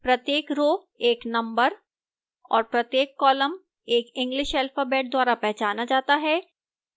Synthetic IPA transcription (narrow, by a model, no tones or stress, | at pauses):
pɾɐt̪jeːkɾoː | eːknɐ̃mbəɾ | ɔːɾpɾɐt̪jeːkːɔːləm | eːkɪ̃ŋɡlɪʃɛlfaːbeːʈ̚d̪waːɾapɛɦt͡ʃaːnad͡ʒaːt̪aɦɛː